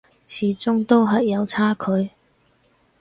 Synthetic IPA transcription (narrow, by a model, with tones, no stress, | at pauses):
t͡sʰiː˨˥t͡sʊ˥ŋt̪o˥wɦɐ˨jːɐ˨˧wt͡sʰaː˥kʰɵ˨˧ɥ